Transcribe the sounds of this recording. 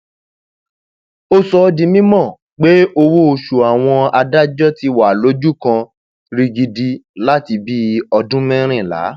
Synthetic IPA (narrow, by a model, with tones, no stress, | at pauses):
o˦sɔ˧dĩ˧mĩ˦mɔ̃˦˨ | k͡pe˦o˧wo˦˧˨ʃu˨a˨w̃ɔ̃˧a˧da˦d͡ʒɔ˦ti˧wa˨lo˨˦d͡ʒu˦kã˧ | ɾi˧ɡi˧di˧la˦ti˧bi˦ɔ˧dũ˦mɛ̃˦ɾ̃ĩ˦˨la̰˨˦